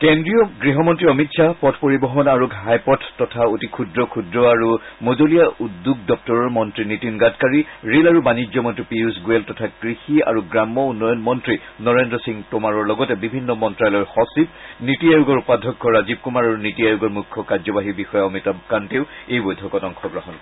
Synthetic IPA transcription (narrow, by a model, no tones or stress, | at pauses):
kendɹijɔɡɹiɦɔmɔntɹiɔmitsʰapɔtʰpoɹibɔɦɔnaɹuɡʱɦajpɔtʰːɔtʰaotikʰudɹɔkʰudɹɔaɹumozolijaʔudːuɡ̚dɔp̚tɔɹɔɹmɔntɹinitinɡatkaɹiɹelaɹubanid͡ʒzɔmɔntɹipiusɡueltɔtʰaɡ̥ɹixia̰ɹuɡɹamːɔunːɔjɔnmɔntɹi | nɔɹendɹɔsiŋtomaɹɔɹlɔɡɔtɛbibʱinːɔmɔntɹajlɔɹhɔsit̚nitiajuɡɔɹupadʱɔkːɔɹazib̚kumaɹaɹunitiajuɡɔɹmukʰːɔkazɔbaɦibixɔjaɔmitakanteʊejbojdʱɔkɔtɔŋkʰɔɡɹɔɦɔnkɔ